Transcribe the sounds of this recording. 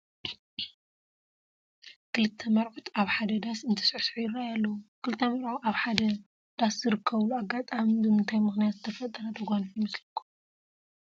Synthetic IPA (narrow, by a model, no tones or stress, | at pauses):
kʰɨlɨt̪ʰːɐmɐɾʔot̪aβħad̪ɐd̪asɨnt̪ʰɐ̥sʕsʕujɪɾajalːɐwukʰɨlɨt̪ʰːɐmɐɾʔoaβħad̪ɐ | d̪̥aszɨɾɨkʰːɐβluaɡːat̪ʼamibɨmɨnt̪ʰajmɨxnijat̪zɨ̥t̪ʰɐfɐt̪ʼɐɾɐd̪ɐɡʷanfjmɐslɐkʰːo̥